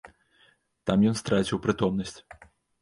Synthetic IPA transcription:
t̪amjɔnst̪ɾat͡sʲiwpɾɨt̪ɔmnɐsʲt͡sʲ

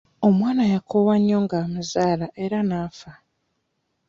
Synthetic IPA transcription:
o̞mwaːnajakʰowaɲːo̞ŋɡamuzaːlaʔe̞ɾanaːfa

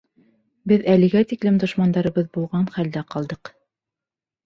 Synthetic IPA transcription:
bɘðælɘ̆ɡæt̪iklɘmd̪ŏʃmɑnd̪ɑɾɤ̆βɤðbulˠʁɑnχæld̪æqɑlˠd̪ɤq

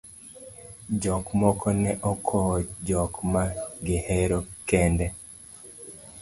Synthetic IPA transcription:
d͡ʒɔkmɔkɔnɛʔɔkʰɔd͡ʒɔkmaɡeheɾokɛndɛ

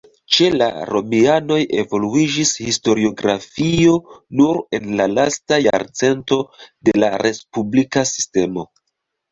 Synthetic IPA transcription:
t͡ʃe̞la̰ɾo̞miano̞je̞vo̞luid͡ʒishisto̞ɾio̞ɡɾafio̞nuɾe̞nlalastaja̰ɾt͡se̞nto̞de̞laɾʔe̞spublikasi̥ste̞mo̞

